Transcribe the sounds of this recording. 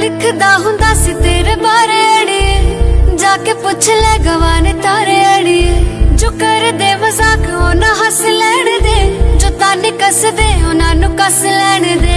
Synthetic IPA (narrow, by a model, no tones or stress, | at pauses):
lɪkʰd̪aːɦʊ̃nd̪aːsit̪eːɾeːbaːɾeəɽiːeːd͡ʒaːkepʊt͡ʃʰlɛːɡəʋaːneːt̪aːɾeəːɽ̃ieːd͡ʒoːkəɾed̪eːməzaːkɦoːnãɦəslɛːɽ̃eːd̪eːd͡ʒoːt̪aːneːkəsd̪eːɦʊnaːnũːkəslɛːɽ̃ed̪eː